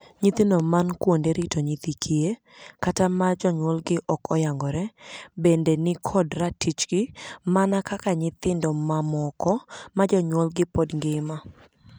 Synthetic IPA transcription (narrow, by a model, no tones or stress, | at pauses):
ɲit̪inomankwondeɾitoɲit̪ikʰie | katamad͡ʒɔɲwɔlɡɪʔɔkɔjaŋɡɔɾɛbendenɪkʰɔdratit͡ʃɡɪmanakakaɲɪt̪ɪndɔmamɔkɔmad͡ʒɔɲwɔlɡɪpɔdŋɡɪma